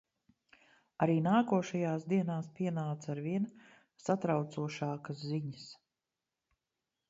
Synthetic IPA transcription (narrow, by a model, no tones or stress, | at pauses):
aɾiːnaːkuɔʃajaːsd̪iɛnaːspʲiɛnaːt̪saɾviɛn | sat̪ɾawt̪suɔʃaːkasziɲəs